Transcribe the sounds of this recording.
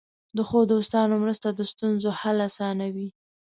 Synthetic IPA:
d̪əxod̪ost̪ɑnomɾəst̪ad̪əst̪unzohalasɑnawi

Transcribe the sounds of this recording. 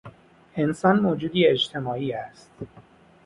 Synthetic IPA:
ʔe̞nsɒːnmoːd͡ʒuːd̪iːed͡ʒt̪ʰe̞mɒːiːæst̪

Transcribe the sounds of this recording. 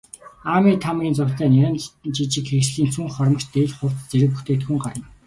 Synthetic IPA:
aːmiːt̪ʰamɡʲiːnt͡sʊwɮæːnaɾə̆nt͡ɕit͡ɕɪ̆kxeɾɘ̆t͡ɕɮiːnsʰuŋχɔrmə̆t͡ɕt̪eːɮχʊwt͡s̪t͡seɾɘ̆p̬uxt̪ʰeːkt̪xuŋɢaɾə̆n

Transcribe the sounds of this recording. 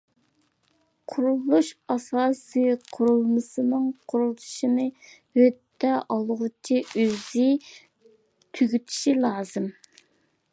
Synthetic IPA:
qʰʊɾulˠuʃɑsɑːsɨjqʰʊɾulˠmɨsɨnɨŋqʰʊɾulˠt̪ʰu̥ʃinɨ | høt̪ʰːɛʔɑlˠʁʊt͡ʃʰiøzɪ | t̪ʰyɡʲyt̪ʰi̥ʃilˠɑːzɨm

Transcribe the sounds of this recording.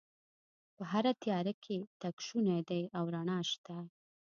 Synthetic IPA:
pəɦaɾat̪jɑɾakʰet̪akʃunajd̪ajʔawɾaɳɑʃt̪a

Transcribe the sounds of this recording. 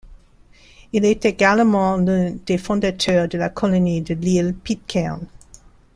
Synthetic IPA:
ilɛt̪eɡalmɑ̃lə̃d̪̥efɔ̃d̪at̪ʰœːʁd̪əlakʰɔlɔnid̪əlilpit̪̚kʰɛn

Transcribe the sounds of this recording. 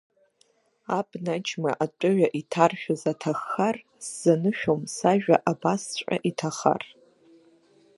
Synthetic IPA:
abnat͡ʃʰmaʔatʷʼʊɥᶣaʔitʰarʃᶣazatʰaχːar | sz̥anɨʃᶣomsaʒᶣaʔabast͡ɕʷʼa̰ʔitʰaχa̰r

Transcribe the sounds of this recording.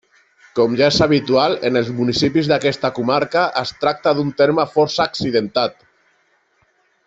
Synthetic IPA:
kɔmʒaezaβ̞it̪ualenəlˠzmunisipizðakɛst̪akumaɾkaʔəst̪ɾak̚t̪aðunt̪eɾməfɔɾsaːksiðənt̪at̪

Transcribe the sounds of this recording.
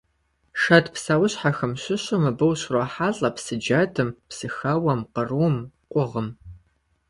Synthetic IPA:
ʃɐtpsawʊɕħaxɨmɕʷɪɕɨmɨbɨwɕrɐħaːɮʼɐpsɨd͡ʒɐtʰɨmpsɨxɐwɐmqərumqʷʼʊʁəm

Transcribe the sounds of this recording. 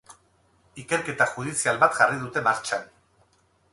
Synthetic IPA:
ike̞ɾke̞t̪axuð̞isialβat̪ʝariðut̪e̞maɾt͡ʃan

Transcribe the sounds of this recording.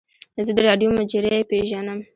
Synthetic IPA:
zəd̪əɾɑɖjomad͡ʒeɾeepeʒanəm

